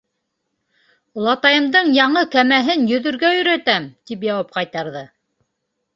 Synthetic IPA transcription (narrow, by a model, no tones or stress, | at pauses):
ulˠɑt̪ɑjɤ̆md̪ɤɴjɑɴɤkæmæɦɘnjɵ̆ðɵ̆ɾɡæjɵ̆ɾæt̪æmt̪ip̬jɑwɑp̚qɑjt̪ɑɾðɤ